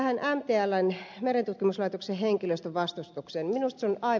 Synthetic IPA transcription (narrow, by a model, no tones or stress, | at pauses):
hænʔæmt̪eːælːænmeɾent̪ut̪kimuslɑit̪okseheŋkiløst̪øʋɑst̪ust̪uksenminust̪sonɑi